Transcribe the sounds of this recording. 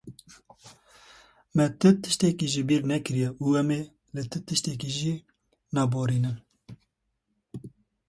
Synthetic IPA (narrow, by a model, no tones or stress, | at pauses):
mɛt̪ʰɨt̪ɨ̥ʃt̪ɛkiʒibiːɾnɛkɨɾijɛʔuɛme | lɨt̪ʰɨt̪ʰɨʃt̪ɛkiʒi | nɑːboːɾiːnɨm